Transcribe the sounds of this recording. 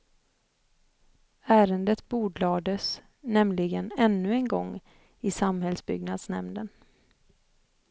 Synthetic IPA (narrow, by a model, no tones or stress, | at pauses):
æːɾənd̪ət̪buːɖlɑːd̪əs | nɛmlɪɡənɛnːɵɛnɡɔŋː | ɪsamhɛlsbʏ̰ɡnad̪snɛmnən